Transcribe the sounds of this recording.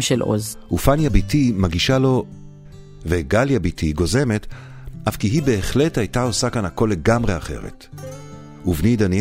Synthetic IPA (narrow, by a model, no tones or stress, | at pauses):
ʃelʔo̰zʔufanjabitimaɡiʃalo̞ | veɡaljabitʰiɡo̞ze̞me̞t | ʔafkiɦibe̞ːχle̞thajtao̞sakanhako̞lːe̞ɡamʁe̞aχe̞̰ʁe̞̰t | uvnid̪anj